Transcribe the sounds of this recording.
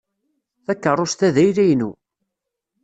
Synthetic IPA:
θækːərˤːost̪æðæjɾæjnu

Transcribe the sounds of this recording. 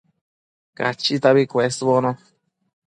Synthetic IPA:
ka̰t͡ʃit̪aβikʷesbonõ

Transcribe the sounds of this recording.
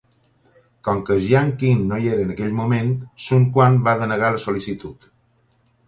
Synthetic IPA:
kɔŋkəʒiaŋkiŋːojeɾəːnəkeʎmumẽnt̪suŋkwanbaðənəɣaləsolisit̪ut̪

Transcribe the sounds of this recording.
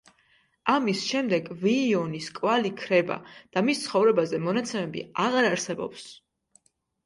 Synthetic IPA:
amisʃɛmd̪ɛɡviːɔniskʼwvalikʰɾɛba̰d̪̥amist̪sʰχɔvɾɛbazɛmɔnat̪sʰɛmɛbḭaʁaɾaɾsɛbɔ̰ps

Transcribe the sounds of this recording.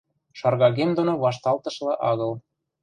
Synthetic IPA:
ʃɑrɣɑɣemd̪onoβɑʃ̬t̪ɑlt̪ɤ̆ʃlɤ̆ʔɑɣɤ̆l

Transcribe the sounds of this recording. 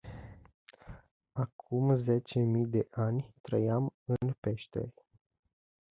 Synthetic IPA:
akʰumze̞t͡ʃe̞mijd̪e̞ʔanʲt̪ɾəjamɨnpe̞ʃt̪ḛrʲ

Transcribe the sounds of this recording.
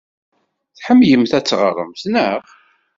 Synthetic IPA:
θħəmːjəmθæt͡sːʁərˤə̰mθnəʁ

